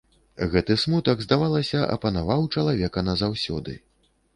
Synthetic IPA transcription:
ɣɛt̪ɨsmut̪ɐɡzd̪avalˠɐsʲɐʔɐ̰pɐnavawt͡ʂɐlˠavʲɛkɐnɐzawsʲɔ̰d̪ɨ̰

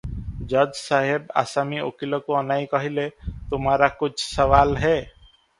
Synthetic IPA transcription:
d͡ʒəd͡ʒsaɦeba̰samio̰kilokoənaːikʌɦilet̪ʊmaɾakʊt͡ʃʰsəʋaːlɦɛ

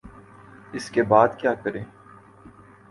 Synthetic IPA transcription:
ɪskebaːd̪kjaːkɐɾẽː

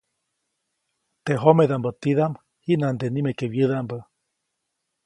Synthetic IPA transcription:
t̪eɦomeðambət̪iðam | hiʔnand̪enimekeβjɨðambə

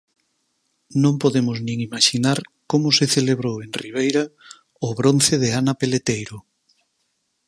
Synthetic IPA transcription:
nõmpoðemʊznĩŋimaʃinaɾkomʊseθeleβɾoweŋriβ̞ejɾa | ʊβɾon̟θeðeanapelet̪ejɾʊ

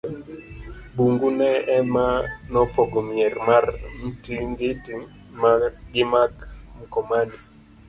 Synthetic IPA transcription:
buŋɡunɛɛmanɔpɔɡɔmiɛrmarn̩tiŋɡeti | maɡɪmakmukɔmani

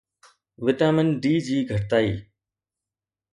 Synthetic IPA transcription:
ʋɪt̪aːmənɖiːd͡ʑiːɡʱəʈt̪aːiː

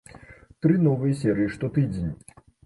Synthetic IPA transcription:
t̪ɾɨnɔvɨjɐsʲɛɾɨjiʂt̪ɔt̪ɨd͡zʲenʲi

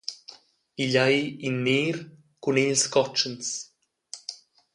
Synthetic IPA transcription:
iʎajinːeːɾ | kunelskɔt͡ʃəns

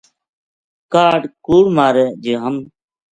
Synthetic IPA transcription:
kaːɖkuːɽmaːɾeːd͡ʒeːɦəm

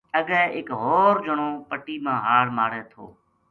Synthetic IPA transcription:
əɠɛːɪkɦoːɾd͡ʒəɳoːpəʈiːmãːɦaːɽmaːɾeːt̪ʰo̰ː

